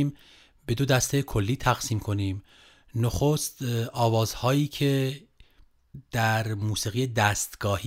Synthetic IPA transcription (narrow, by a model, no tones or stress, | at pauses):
iːm | be̞d̪od̪æst̪ʰe̞kʰo̞lːiːt̪ʰæɣsiːmkʰo̞niːm | noxost̪ɒːvɒːzhɒːjiːcʰe | d̪̥æɾmuːsiːɣijed̪æːst̪ɡ̥ɒːhi